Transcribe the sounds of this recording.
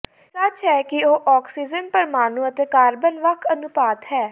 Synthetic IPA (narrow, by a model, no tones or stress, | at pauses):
sɐt͡ʃɦɛːkioːʔɔːksiːd͡ʒənpəɾmaːnũːət̪eːkaːɾbənʋəkʰənʊpaːt̪ɦɛː